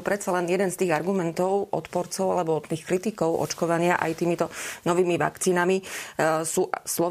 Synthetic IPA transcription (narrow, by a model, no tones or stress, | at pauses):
pɾɛt͡salɛnjɛd̪ɛnst̪iːɣaɾɡumɛnt̪ɔʊʔɔ̰t̪pɔɾt͡sɔʊalɛbɔt̪t̪iːxkɾit̪ikɔʊʔɔ̰t͡ʃkɔʋaɲɪaʔa̰jt̪iːmit̪ɔnɔʋiːmiʋa̰kt͡siːnami | suːslɔ